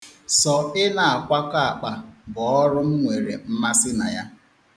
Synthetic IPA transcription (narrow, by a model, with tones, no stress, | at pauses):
sɔ˨ɪ˦na˨a˨kʷa˦ka˦a˨k͡pa˨bɔ˨ɔ˦ɾʊ˦m̩˦ŋʷe˨ɾḛ˨m̩˦ma˦sɪ˦na˨ja˦